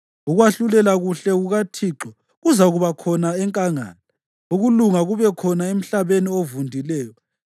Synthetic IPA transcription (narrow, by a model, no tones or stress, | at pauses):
uɣwaɬulɛlaɣuɬɛɣuɣatʰiːǁɔ | ɣuzaɣuβakʰɔnaɛŋkʼaŋa̰ːla | uɣuluŋaɣuβɛkʰɔnaem̩ɬaβeniovundʱilɛːjɔ